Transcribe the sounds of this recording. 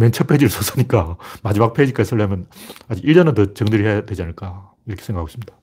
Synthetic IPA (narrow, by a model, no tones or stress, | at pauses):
ment͡ɕʰʌpʰed͡ʑiɾɯɭsʰʌsʰɯɲik͈amad͡ʑimak̚pʰed͡ʑik͈aisʰʌɭːamjʌnad͡ʑiɡiɭːʌnɯntʌt͡ɕʌŋdɯɾihejadwe̞d͡ʑianɯɭk͈a | iɾʌkʰe̥sʰeɡakʰaɡoɕʰimɲida